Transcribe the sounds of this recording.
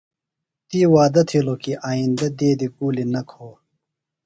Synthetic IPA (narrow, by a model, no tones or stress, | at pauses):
t̪iwaːd̪ɐt̪ʰilokiʔaːind̪ɐd̪eːd̪ikuːlinɐkʰoː